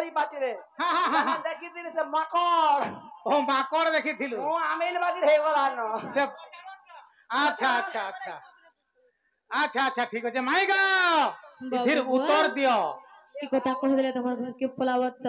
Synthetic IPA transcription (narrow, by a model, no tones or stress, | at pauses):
ɾipat̪iɾeɦãɦãɦãd̪ekʰit̪ilusemakɔɾomakɔɽd̪ekʰit̪ʰiluũamelbaɡiɾebɔlanɔseb | ətːʃʰaːtːʃʰaːtːt͡ʃʰa | ətːʃʰaːtːt͡ʃʰaʈʰiːkɦɔt͡ʃʰemaiɡa | aiɾut̪ːɔɾd̪ijɔʈʰikɔt̪akɔɦd̪let̪ɔmaɾɡʱəɾkipɔlaʋət̪ː